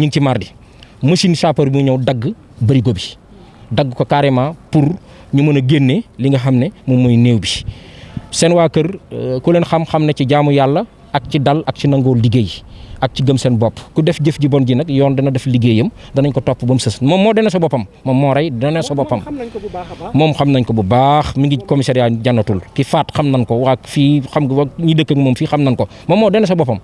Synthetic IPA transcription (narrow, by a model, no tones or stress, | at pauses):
ɲiŋcimaːrdi | mɐsinsaːpɐɾbiuɲɐwdɐɡː | bɐɾiɡobi | dɐɡːkɔkaːɾɛmaːpur | ɲumɐnɐɡenːeliŋɡɐxɐmnɛmumɐjneːwbi | sɛnwaːkɐrkulɛnxɐmxɐmnɐciɟaːmujalːɐ | ɐk̚cidɐlɐk̚cinɐŋɡoːldiɡeːjɐk̚ciɡɐmsɛnbɔpːkudɛfɟəfɟibɔnɟinɛkjɔːndɛnɐdɛfliɡejəmdɐnɐɲkɔtɔpːbɐmsɐsmɔːmːɔːdɛnɛs̬ɔbɔpɐmːɔmːɔːɾɐjdɛnɛsɔbɔpːɐm | mɔːmxɐmnɐɲkɔbubaxmiŋɡikɔmisɛɾjaɟanːɐtulkifaːtxɐmnɐnkɔwakfiːxɐmɲidəkːɐŋmɔːmfiːxɐmnɐnkɔ | mɔmːɔːdɛnːɛs̬ɔbɔpɐm